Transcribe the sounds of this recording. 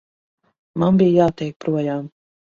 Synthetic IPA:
manbijjaːt̪ɛjk̚pɾuɔjaːm

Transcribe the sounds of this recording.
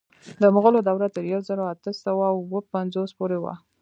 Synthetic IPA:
d̪əmʊɣəlod̪awɾat̪əɾjawzəɾoat̪əsawawwəpanzospoɾewa̰

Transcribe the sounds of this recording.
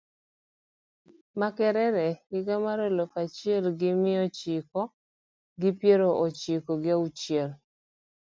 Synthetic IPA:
makɛɾɛɾɛɪɡamaɾolokat͡ʃɪɛlɡɪmɪɔt͡ʃɪkɔ | ɡɪpjeɾoʔɔt͡ʃɪkɔɡɪaut͡ʃjɛl

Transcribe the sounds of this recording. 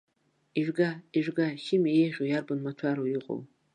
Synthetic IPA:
iʒʷᶣɡaiʒʷᶣɡaʃɪmijeʁʲʷojarbanmat͡ʃʷʰaɾoiqʼo̰w

